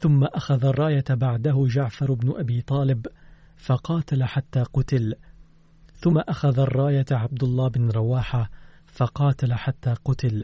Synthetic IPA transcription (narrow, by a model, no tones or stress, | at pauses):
θʊmːaʔaxaðarˤːɑːjabaʕd̪aɦʊd͡ʒaʕfɑɾˤbnʊʔabiːt̪ˤɑːlɪb | fɑqɑːt̪alaħat̪ːaːqʊt̪ɪl | θʊmːaʔaxaðarˤːɑːjaʕab̚d̪ʊlˤːɑːbɪnɾˤɑwaːħafɑqɑːt̪alaħat̪ːaːqʊt̪ɪl